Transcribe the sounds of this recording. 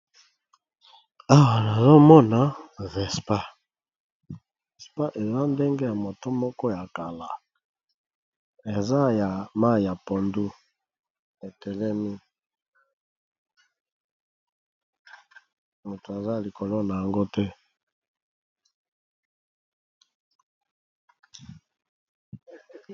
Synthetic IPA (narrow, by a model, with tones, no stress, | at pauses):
a˦wa˨na˨zo˦mɔ˦na˦vɛ˨spa˦ | vɛ˨spa˦ʔe˨za˦nde˦ŋɡe˦ja˨mo˨to˦mɔ˦kɔ˦ja˨ka˨la˨ | e˨za˦ja˨ma˦˨ja˨po˨ndu˦ | e˨tɛ˨lɛ˦mi˦ | mo˨tu˨a˨za˦˨li˨ko˨lo˦na˨ja˨ŋɡo˦tɛ˦